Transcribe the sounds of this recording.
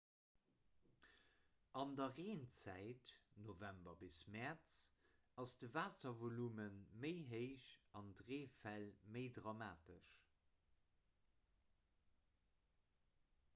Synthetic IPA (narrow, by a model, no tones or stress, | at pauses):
ɑndɐʁeːnt͡sæɪtnovæmbɐbismɛʁt͡s | ɑsd̥əvaːsɐvolumənməɪɦəɪʃɑndʁeːfælməɪdʁɑmaːtəʃ